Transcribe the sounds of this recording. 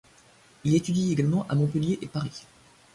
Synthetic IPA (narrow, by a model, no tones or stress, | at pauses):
ilet̪yd̪ieɡalmɑ̃ʔa̰mɔ̃pəljeʔepaʁi